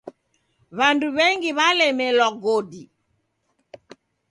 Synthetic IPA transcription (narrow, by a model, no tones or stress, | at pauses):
βanduβɛŋɡiβalɛmɛlɔɡɔdi